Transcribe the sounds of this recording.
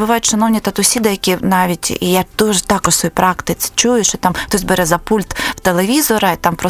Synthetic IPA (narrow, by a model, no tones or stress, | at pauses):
bʊʋɑjʊtʲʃɐnɔwnʲit̪ɐt̪ʊsʲid̪ɛjɐkʲinɑʋʲitʲḭʔijad̪̥uʒɛt̪ɑkɔʊsɔjijpɾɑkt̪ɪt͡s̪ʲɪ̥t͡ʃujʊʃt͡ʃɔt̪ɑmt̪ɔsʲbɛɾɛzɐpulʲt̪w̥t̪elˠeʋʲizɔɾɐit̪ɑmpɾɔ